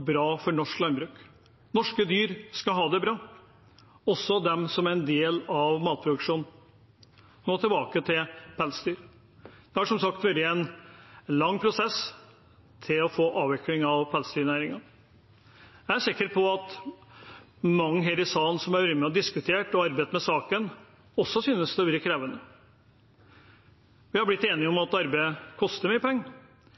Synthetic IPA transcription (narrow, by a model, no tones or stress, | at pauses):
bɾɑːfɔɳɔʂklɑnbɾʉːk | nɔʂkəd̪yːɾskɑɦɑːd̪ɛbɾɑː | ɔsːɔd̪ɛmsɔmæɾɛnd̪eːlɑʋmɑːt̪̚pʰɾʊd̪ʉkʂuːnn̩ | noːt̪ʰɪlbɑːkət̪ʰɪlpʰɛlsəd̪yːɾ | d̪̥ɛhɑʂɔmsɑkt̪ʋœɾɪɛnlɑŋːpʰɾʊsɛs | t̪ʰɪlɔfoːʔɑːʋɪklɪŋɑʋpʰælsd̪yːɾnæːɾɪŋɑ | ææsɪkːəɾpʰɔɑt̪ | mɑŋːəɦeːɾɪsɑːnsɔmæɾʋɪmɛɔd̪ɪskʉt̪ʰeːʈɔɑɾbet̪mɛsɑːkən | ɔsːɔsyːnəsd̪ɛʋyːɾəkʰɾeːʋənə | ʋɪhɑblɪt̪ːeːnɪɔmɑt̪ɑɾbeɪəkʰɔst̪əɾmyːəpʰɛŋːə